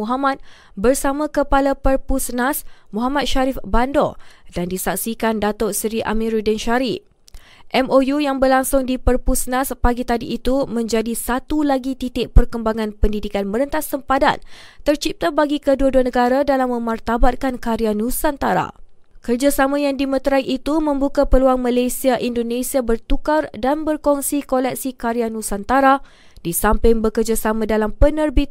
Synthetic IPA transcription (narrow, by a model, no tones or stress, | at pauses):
uɦamat̪̚ | bərsamãkəpalapərpusnasmuɦamat̪̚ʃaɾifbandɔ̰dandisak̚sikandat̪ɔsɾiʔa̰mĩɾudɛnʃaɾi | ʔɛmojujaŋbərlaŋsʊŋdipərpusnaspaɡit̪adiʔːt̪umə̃ɲd͡ʒadisat̪ulaɡit̪it̪ɪʔpərkəmbaŋãnpəndidikanməɾənt̪asəmpada̰nt̪ərt͡ʃip̚t̪abaɡikəduaduanə̃ɡaɾadalamːə̃mart̪abat̪̚kankaɾianusant̪aɾa̰ | kərd͡ʒasamãjaŋdimə̃t̪ɾaiʔit̪umə̃mbukapəluaŋmalajsiaʔindonesiabərt̪ukardanbərkɔŋsikolɛk̚sikaɾianũsant̪aɾa | disampɪŋbəkərd͡ʒasamãdalampənərbi